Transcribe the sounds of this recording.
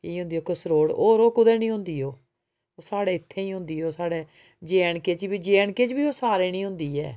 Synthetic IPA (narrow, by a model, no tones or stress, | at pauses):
kiːɦʊ̃nd̪iːoːkəsɾoːɽoːɾoːkʊd̪eːnĩːɦʊ̃nd̪iːɦoː | oːsaːɽeːɪt̪ʰːeːĩːɦʊ̃nd̪iːoːsaːɽeː | d͡ʒeːɳkeːt͡ʃbiːd͡ʒeːɳkeːt͡ʃbiːoːsaːɾeːnĩːɦʊ̃nd̪iːɛ̰ː